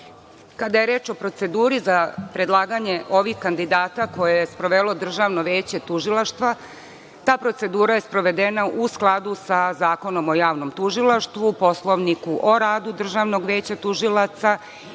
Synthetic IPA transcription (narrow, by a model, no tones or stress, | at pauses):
kad̪ajeɾeːt͡ʃo̞pɾo̞t̪se̞d̪uːɾizapɾe̞d̪lˠaːɡaɲe̞ʔo̞ʋixkand̪id̪aːt̪ako̞jejespɾo̞ʋelˠo̞d̪r̩ʒaʋno̞ʋeːt͡ɕe̞t̪uʒilˠaʃt̪ʋa | t̪aːpɾo̞t̪se̞d̪uːɾaje̞spɾo̞ʋe̞d̪enaʔusklˠad̪usazaːko̞no̞mo̞jaːʋno̞mt̪uʒilˠaʃt̪ʋupo̞slˠo̞ʋnikuʔo̞ɾaːd̪ud̪r̩ʒaʋno̞ɡʋe̞ːt͡ɕat̪uʒilˠat̪sa